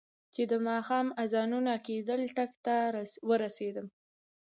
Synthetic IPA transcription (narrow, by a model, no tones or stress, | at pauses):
t͡ʃed̪əmɑxɑmazɑnunaked̪əlʈakt̪awəɾased̪əm